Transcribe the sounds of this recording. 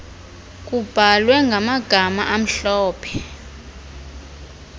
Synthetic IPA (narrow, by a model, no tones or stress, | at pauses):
k̬ʼub̥ʱalwɛŋɡʱamaɡ̥ʱamaʔam̩ɬɔːpʰɛ̥